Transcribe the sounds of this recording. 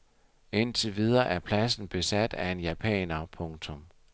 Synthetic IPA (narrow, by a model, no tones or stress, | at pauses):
e̝n̰t͡sʰe̝ʋið̞ˠɐʔæɐpʰlæsn̩b̥e̝sæd̥æe̝njæpʰɛ̰ːnɐpʰɔ̽ŋt͡sʰɔ̽m